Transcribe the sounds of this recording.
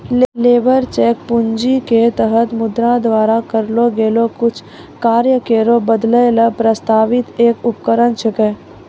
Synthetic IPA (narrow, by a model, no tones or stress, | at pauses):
lleːbəɾt͡ʃɛːk̚pʊɲd͡ʒiket̪əɦət̪mʊd̪ɾãd̪ʋaːɾakəɾloɡeːlokʊt͡ʃʰ | kaːɾjəkeːɾobəd̪ləeləpɾəst̪aːʋɪt̪eːkʊpkəɾənt͡ʃʰəkɛː